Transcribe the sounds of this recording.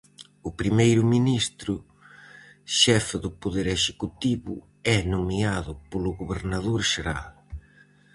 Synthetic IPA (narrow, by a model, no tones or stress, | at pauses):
ʊpɾimejɾʊminist̪ɾʊ | ʃɛfɪðʊpoðeɾeʃekut̪iβʊ̰ | ɛnomiaðʊpolʊɣoβeɾnaðoɾʃeɾa̰l